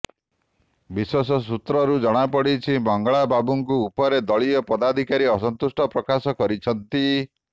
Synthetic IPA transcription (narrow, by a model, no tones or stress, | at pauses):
biswesɔs̬ut̪ɾɔɾud͡ʒɔɽ̃apɔɽit͡ʃʰibɔŋɡaɭababuŋkuːpɔɾed̪ɔɭiɔpɔd̪ad̪ʱikaɾiɔsɔnt̪usʈɔpɾɔkasɔkɔɾit͡ʃʰɔnt̪i